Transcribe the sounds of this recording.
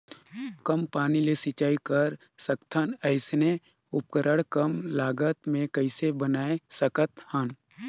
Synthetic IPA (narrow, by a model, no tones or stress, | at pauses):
kəmpaːnilesɪt͡ʃaːikəɾ | səkt̪ʰənəɪsne | ʊp̚kəɾəɽkəmlaːɡət̪mẽkəɪsebənaːesəkət̪hən